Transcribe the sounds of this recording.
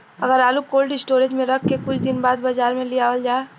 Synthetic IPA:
ɐɡəɾaːlukoːlʈɪsʈoːɾed͡ʒmẽɾɐkʰkekʊt͡ʃʰd̪ɪnbaːd̪bad͡ʒaːɾmẽliaːʋəld͡ʒaːe

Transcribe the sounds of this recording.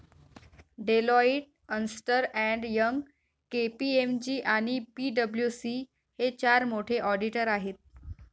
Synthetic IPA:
ɖelɔiʈ̚ | ənsʈəɾɛ̃ɳɖjəŋɡ | kepiemd͡ʑiːʔaɽ̃ipiɖəbljusi | het͡ɕaɾmoʈʰeʔɔɖiʈəɾaɦet̪̚

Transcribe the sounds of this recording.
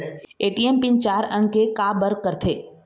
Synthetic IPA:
eːʈiempĩnt͡ʃaːɾə̃ŋɡkekaːbəɾkəɾt̪ʰeː

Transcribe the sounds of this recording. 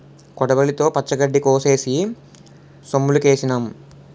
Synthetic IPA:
kɔɽɐbɐlit̪o̞ːpɐt͡ʃːɐɡɐɖːikoːse̞ːsi | somːulukeːsinam

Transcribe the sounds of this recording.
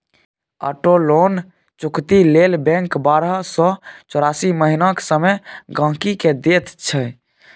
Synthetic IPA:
ə̰ʈolon | t͡ʃukt̪ilelbɛ̃ŋkbaɾəsɔt͡ʃɔɾasiməɦinaksəməɡãkiked̪et̪t͡ʃʰə

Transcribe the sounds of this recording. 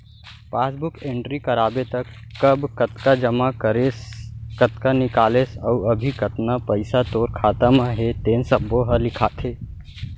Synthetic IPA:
paːsbʊkẽɳʈɾikəɾaːbet̪əkːəbkət̪kad͡ʒəmakəɾeskət̪kanɪkaːlesəuəbʱikət̪napəɪsat̪oːɾkʰaːt̪əmaɦet̪eːnsəbːoɦəlɪkʰat̪ʰeː

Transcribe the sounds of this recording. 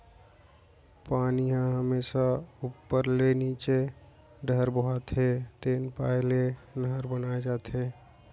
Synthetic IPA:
paːniɦãɦəmeːʃaupːəɾleniːt͡ʃe | ɖʱəɾbəɦat̪ɦet̪eːnpaːelenəɦəɾbənaːed͡ʒaːt̪ɦeː

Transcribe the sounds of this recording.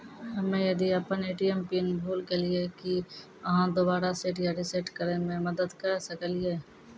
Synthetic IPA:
ɦɐmẽjɐd̪iɐpəneːʈiɛmpiːnbʱuːlkelɪeki | ɐɦãd̪obaːɾaseːʈjaɾɪseʈkəɾemẽmɐd̪əd̪kəɾsəkəliɦeː

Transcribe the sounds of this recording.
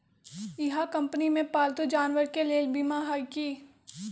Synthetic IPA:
ɪɦakɐ̃mpənimẽpaːlt̪od͡ʒaːnwəɾkeleːlbimaɦaːikiː

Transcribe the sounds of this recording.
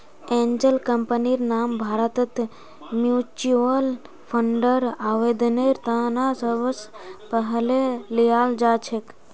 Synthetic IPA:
ẽɲd͡ʒəlkəmpəniɾnaːmbʱaːɾət̪ət̪ | mjut͡ʃuʋəl | pʰəɳɖəɾaʋed̪əneɾt̪ãnasəʋəspəɦəlelijaːld͡ʒat͡ʃʰek

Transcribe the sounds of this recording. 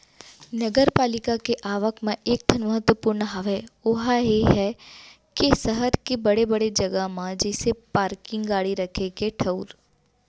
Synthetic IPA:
nɐɡəɾpaːlɪkakeʔaːʋəkmẽeːk̚d̪ʰʱənmɐɦət̪wəpuːɾnɦɐʋɛʊɦajeɦɛ | kesɐɦəɾkibɐɽebɐɽed͡ʒɐɡəmãd͡ʒisepaːɾkɪ̃ŋɡɡaːɽiɾɐkʰekeʈʰɐuɾ

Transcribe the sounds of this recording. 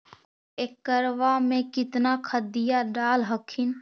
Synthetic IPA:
eːkːəɾʋamẽkɪt̪nakʰəd̪ijaɖaːlɦəkʰɪn

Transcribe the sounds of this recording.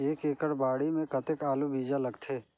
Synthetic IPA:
eːkeːkəɾbaːɽimẽkɐt̪ɪkaːlubʱiːd͡ʒalɐɡt̪ʰeː

